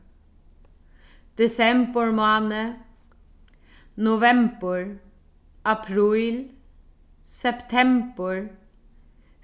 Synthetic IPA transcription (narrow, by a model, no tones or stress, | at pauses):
d̪̥ɛsɛmbəɹmɑːnə | nʊʋɛmbəɹ | apʰɾiːl | sɛpt̪ʰɛmbəɹ